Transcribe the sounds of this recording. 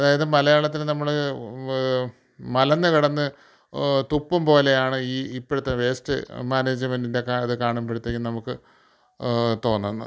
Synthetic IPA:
ɐðaːjɐðɨmɐlɐjaːɭɐt̪̬ːilnɐmːɐɭ | mɐlɐnːɨkɐɽɐnːɨ | t̪upːumpo̞ːle̞jaːɳɨiːipːoɽut̪ːɐnʋe̞ːstɨ̰maːneːd͡ʑɐmendinde̞kaɐðɨkaːɳumpeɽut̪ːeːŋɡimnɐmukːɨ | t̪o̞ːnːɐnːɐ̰

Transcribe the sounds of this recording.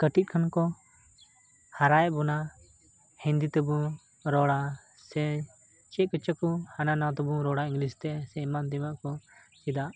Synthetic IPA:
kəʈit̪̚ˀkʰankɔ | haɾajbɔna | hĩnd̪it̪ɛbu | ɾɔɽa | sɛ | t͡ʃɛʔ̚kət͡ʃəkɔhananat̪ɔbuɾɔɽaĩŋɡlist̪ɛsɛimand̪imaʔkɔ | t͡ʃid̪aʔ

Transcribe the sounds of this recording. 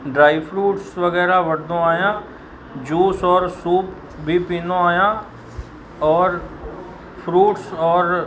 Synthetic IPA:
ɖɾaːipʰɾuːʈsʋəɡɛːɾaʋəɽd̪õːaːjãː | d͡ʒuːsɔːɾsuːp | bʱiːpiːnõːaːjãː | ɔːɾ | pʰɾuːʈsɔːɾ

